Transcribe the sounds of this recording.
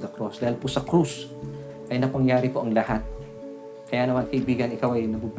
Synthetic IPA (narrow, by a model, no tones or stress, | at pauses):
d̪ɐkɾosd̪aːhɪlpʊsɐkɾus | ʔɐjnɐpɐŋjaːɾɪpoʔɐŋlɐhat̪̚ | kɐjanɐmankɐʔɪbiːɡɐnɪkawɐjnɐbub